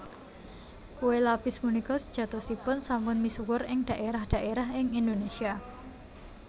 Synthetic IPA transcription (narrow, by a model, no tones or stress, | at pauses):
uwelapɪsmunikɔsə̥d̥ʒ̥ä̤t̪ɔsipʊnsampʊnmisuwʊrɪŋd̥a̤ʔeɾahd̥ä̤ʔeɾaɦɪŋindonesia